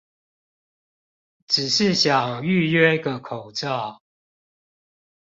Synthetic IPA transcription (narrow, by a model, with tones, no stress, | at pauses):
ʈ͡ʂɻ̩˨˩ʂɻ̩˥˨ɕjɑ˨˩ŋy˥˨ɥɛ˥ɡə˨kʰo˨˩ʊʈ͡ʂɑ˥˨